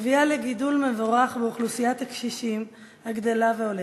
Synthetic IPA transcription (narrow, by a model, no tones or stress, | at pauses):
vialeɡidulmevoʁaχbeuχlusijat̪akʃiʃim | haɡd̪elaveole